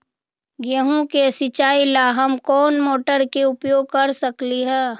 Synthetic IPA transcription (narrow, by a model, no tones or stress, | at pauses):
ɡeɦũkesɪt͡ʃaːilaɦɐmkɔːnmoːʈəɾkeʊpjoːɡ̚kɐɾsəkliɦɛː